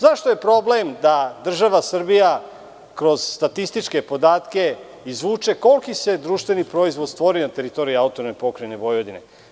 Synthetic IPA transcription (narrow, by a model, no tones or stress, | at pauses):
zaʃt̪ojepɾo̞blemd̪ad̪r̩ʒaʋasr̩bija | kɾo̞z̥st̪at̪ist̪it͡ʃke̞po̞d̪aːt̪ke̞ | izʋuːt͡ʃe̞ko̞lˠkise̞d̪ɾuːʃt̪ʋe̞nipɾo̞izʋod̪st̪ʋo̞ɾinat̪e̞ɾit̪o̞ɾiiaut̪onepo̞kɾaneʋo̞jod̪inḛ